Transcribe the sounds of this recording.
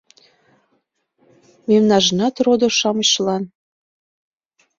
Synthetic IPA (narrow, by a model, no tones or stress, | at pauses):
memnɑʒnɑt̪rod̪oʃɑməɕlɑn